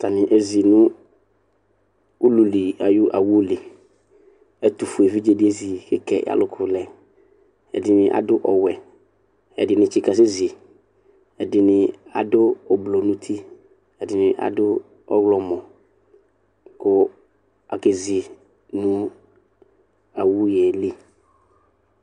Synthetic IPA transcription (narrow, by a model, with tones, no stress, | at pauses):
t̪a˨nɪ̃˨ʔe˨zi˨nʊ̃˦ | u˦lu˨li˨a˨jʊ˦ʔa˨wu˦li˨ | ɛ˦t̪ʊ˨fʊ˨ɛ˨vi˦d͡ʒe˦dɪ˦e˦zi˨kɪ˦kɛ̰˨ja̰˨lʊ˦kʰʊ˨lɛ˨ | ɛ̰˨dɪ˨nɪ̃˨ʔa̰˨dʊ˦ʔɔ˨wɛ˨ | ɛ̰˨dɪ˨nɪ̃˨t͡ʃi˦ka˨s̬ɪ˦zɪ˨ | ɛ˨dɪ˨nɪ˨a̰˨dʊ˦ɔ˨blo˨nʊ̃˦t̪ʰi˦ | ɛ˨dɪ˨nɪ˨ʔa̰˨dʊ˦ | ɔ̰˦ɣlɔ˦mɔ˨ | kʊ˦ | a˨ke˨zɪ˨ | nʊ̃˦ | a˨wu˦jɛ˨li˦